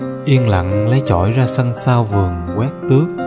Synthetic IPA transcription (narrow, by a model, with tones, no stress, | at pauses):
ʔi˧ənla̰˧˨ŋlə˨˦jt͡ɕɔ̰˧˩jzaː˧sə˧ŋsaː˧wvɨ˨˩əŋkwɛ˦˥t̚t̪ɨ˦˥ək̚